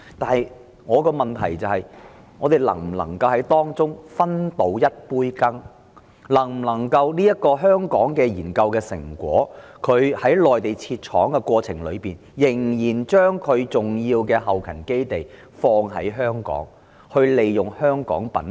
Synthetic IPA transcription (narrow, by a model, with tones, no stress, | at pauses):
t̪aː˨˧nhɐ˨˧j | ŋɔː˨˧kɔː˧mɐ˨˩nt̪ʰɐ˨˩jt͡sɐ˨whɐ˨j | ŋɔː˨˧t̪e˨jlɐ̰˨˩ŋm̩˨˩lɐ˨˩ŋkɐ˧whɐ˨˥jt̪ɔː˥ŋt͡sʊ˥ŋfɐ˥nt̪o˨˥wjɐ˥t̚puː˥jkɐ˥ŋ | lɐ˨˩ŋm̩˨˩lɐ˨˩ŋkɐ˧wliː˥jɐ˥t̚kːɔː˧ɦœː˥ŋkɔː˨˥ŋkɛː˧jiː˨˩nkɐ˧wkɛː˧sɪ̰˨˩ŋkʷwɔ̰ː˨˥kʰɵ˨˧ɥhɐ˨˥jlɔː˨jt̪e˨˩jt͡sʰiː˧t̚t͡ʃʰɔː˨˥ŋkɛ˧kwɔː˧t͡sʰɪ˨˩ŋlɵ˨˧ɥpiː˨njɪ˨˩ŋjiː˨˩nt͡ʃœː˥ŋkʰɵ˨˧ɥt͡sʊ˨ŋjiː˧wkɛː˧ɦɐ˨wkʰɐ˨˩nke˥jt̪e˨˩j | fɔː˧ŋɦɐ̰˨˥jɦœː˥ŋkɔ̰ː˨˥ŋ | hɵ˧ɥle˨˧jjʊ˨˩ŋhœː˥ŋkɔ̰ː˨˥ŋpɐ̰˨˥n